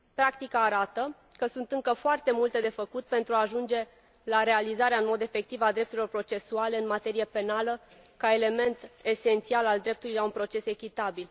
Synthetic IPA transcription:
pɾakt̪ikaːɾat̪ə | kəsunt̪ɨŋkəfoart̪e̞mult̪e̞d̪e̞fəkut̪̚pe̞nt̪ɾuaːʒund͡ʒe̞ | laɾe̞alizaɾeaɨnmo̞d̪e̞fe̞k̚t̪ivad̪ɾe̞p̚t̪uɾilo̞rpɾo̞t͡ʃe̞suale̞ɨnmat̪e̞ɾijepe̞nalə | kae̞le̞me̞nt̪e̞se̞nt̪sialald̪ɾe̞p̚t̪ulijlaunpɾo̞t͡ʃe̞se̞kʲit̪abil

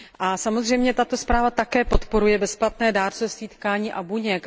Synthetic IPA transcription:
ʔasamo̞zr̝ɛjmɲɛt̪at̪o̞spɾaːvat̪akɛːpo̞t̪po̞ɾujɛbɛsplat̪nɛːdaːɾt͡sust̪viːt̪kaːɲiːʔabuɲɛk

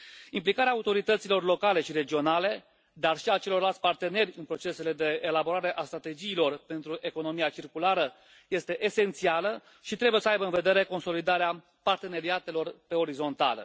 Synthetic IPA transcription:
implikaɾeaut̪o̞ɾit̪ət̪silo̞rlo̞kale̞ʃiɾe̞d͡ʒio̞nale̞ | d̪arʃiat͡ʃe̞lo̞rlalt̪sʲpart̪e̞ne̞rʲɨnpɾo̞t͡ʃe̞se̞le̞d̪e̞ːlabo̞ɾaɾe̞ʔast̪ɾat̪e̞d͡ʒiːlo̞rpe̞nt̪ɾuʔe̞ko̞no̞miat͡ʃirkulaɾə | je̞st̪e̞ʔese̞nt̪sialə | ʃit̪ɾe̞buje̞səajbəɨnve̞d̪e̞ɾe̞ko̞nso̞lid̪aɾea | part̪e̞ne̞ɾiat̪e̞lo̞rpe̞o̞ɾizo̞nt̪a̰lə̰

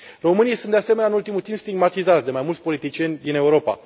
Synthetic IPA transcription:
ro̞mɨnijsunease̞me̞nʲaɨnult̪imult̪impst̪iɡmat̪izat̪sʲd̪e̞majmult̪sʲpo̞lit̪it͡ʃie̞nʲd̪ine̞uɾo̞pa̰

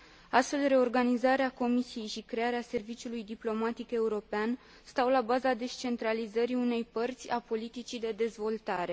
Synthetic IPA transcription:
ast̪fe̞lɾe̞o̞rɡanizaɾeako̞misije̞jʃikɾe̞aɾease̞rvit͡ʃulujd̪iplo̞mat̪ike̞uɾo̞pean | st̪awlabazad̪e̞st͡ʃe̞nt̪ɾalizəɾiune̞jpərt̪sʲapo̞lit̪it͡ʃid̪e̞d̪e̞zvo̞lt̪aɾe̞

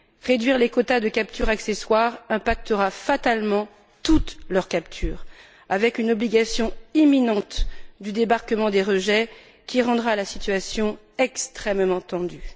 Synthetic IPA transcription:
ʁed̪ɥiʁlekɔt̪ad̪əkap̚t̪yʁakseswaʁɛ̃pak̚t̪əʁafat̪almɑ̃ | t̪ut̪lœʁkapt̪ʰyːʁ | avɛkynɔbliɡasjɔ̃iminɑ̃t̪d̪yd̪ebaʁkəmɑ̃d̪eʁəʒɛ | kʲiʁɑ̃d̪ʁalasit̪ɥasjɔ̃ | ɛkst̪χɛmmɑ̃t̪ɑ̃d̪y

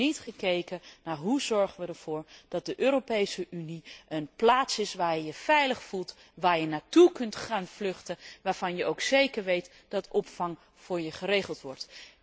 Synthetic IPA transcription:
itχəkejkənaːɹɦuzɔɹχənʋədəɹv̥ʊːɹd̥ɑt̚dəʔøːɾopejsəʔyniənplaːtsɪsʋaːɹjəfɛjləχfulˠt | ʋaːɹjənaːtukɵntχaːnvlɵχtəʋaːɹv̥ɑnjəʔowksejkəɹʋejt | d̥ɑtʰɔpfɑŋ | v̥ʊːɹjəχəɾejχəlˠtʋɔɹt

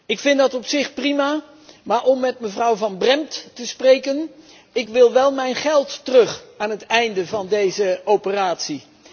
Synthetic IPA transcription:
ɪkfɪntdɑtɔpsɪχprima | maːɹʔɔmːɛtməvrʌwvɑnbrɛmtːəsprejkən | ɪkʋɪlˠʋɛlˠmɛjnχɛlˠtːərɵχaːnɦətɛjndəvɑndejzəowpəraːtsi

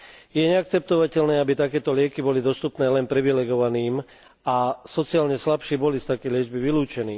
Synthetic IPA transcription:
jɛɲɛak̚t͡sɛp̚t̪ɔʋacɛlnɛːabit̪akɛːt̪ɔlɪɛkibɔlid̪ɔst̪upnɛːlɛnpɾiʋilɛɡɔʋaniːm | asɔt͡siaːlɲɛslapʃɛːbɔlist̪akɛjlɪɛd͡ʒbiʋiluːt͡ʃɛniː

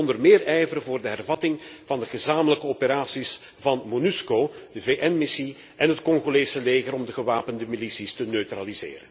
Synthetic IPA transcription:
ɔndərmɪːrɛjvəɾəvoːrdəɦɛrvɑtɪŋv̥ɑndəɣəzaːmələkəopeɾaːsis | vɑnmonyskoː | d̥əveːʔɛnmɪsi | ɛnɦətkɔŋɣoleːsəleːɣəɾɔmdəɣəʋaːpəndəmilisistənøɥtralizḛːɾən

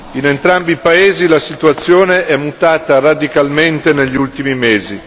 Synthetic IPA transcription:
inent̪ɾambipaeːzilasit̪uat̪sːjoːneɛmːut̪aːt̪arad̪ikalment̪eneʎːiult̪imimeːzi

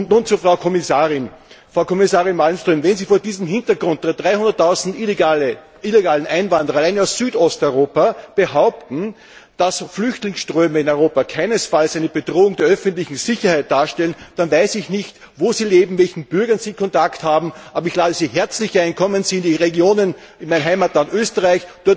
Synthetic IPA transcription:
nuːnt͡sufʁɑʊkʰɔmɪsaːʁɪnfʁaʊkʰɔmɪsaːʁɪnmalmstʁøːmvɛnziːfoːɐdiːzəm̩ɦɪ̃ntɐɡʁʊ̃nt̚d̥eːɐd̥ʁaɪhʊ̃ndɐtʰːaʊzn̩tal | ʔileɡaːlən̩ʔaɪnvãndəʁɐalaɪnaʊssyːtɔstœʏʁoːpab̥əɦaʊp̚tn̩ | d̥asflʏçtlɪŋsʃtʁ̥øːməɪnœʏʁoːpakʰaɪnəsfalsʔæɪnəb̥ed̥ʁoːʊŋdeːɐʔœfəntlɪçŋ̩z̥ɪçɐhæɪt̚d̥aːɐʃtɛlənd̥anvaɪsɪçnɪçt | voːziːleːbm̩vɛlçn̩b̥ʏɐɡɐnziːkʰɔ̃ntakthaːbm̩ʔaːbɐɪçlaːdəziːɦɛɐt͡slɪçʔæ̃ɪ̃nkʰɔmənz̥iːɪndiʁeɡjoːnən | ɪnmɛɪnɦaɪmatlantøːstəʁaɪçd̥ʊɐt

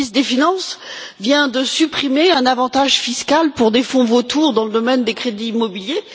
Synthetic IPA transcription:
isd̪efinɑ̃svjɛ̃d̪əsypχimeɛ̃navɑ̃t̪aʒfiskalpuʁd̪efɔ̃vot̪ʰuʁd̪ɑ̃ləd̪ɔmɛnd̪ekχed̪iːmɔbilje

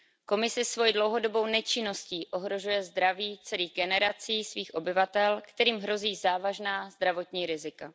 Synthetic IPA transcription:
ko̞mɪsɪsvo̞jidlo̞wɦo̞do̞bo̞wnɛt͡ʃɪno̞sciːʔo̞ɦɾo̞ʒujɛzd̪ɾaviːt͡sɛliːɣɡɛnɛɾat͡siːsviːxʔo̞bɪvat̪ɛlkt̪ɛɾiːmɦɾo̞ziːzaːvaʒnaːzd̪ɾavo̞t̪ɲiːɾɪzɪka

